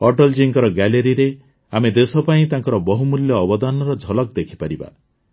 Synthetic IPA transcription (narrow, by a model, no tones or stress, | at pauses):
ɔʈɔld͡ʒiŋɡɔɾɔɡaleɾiɾe | amed̪esɔpaĩt̪ãŋkɔɾɔbɔɦumuljɔːbɔd̪anɔɾɔd͡ʒʱɔlɔk̚d̪ekʰi̥paɾiba̰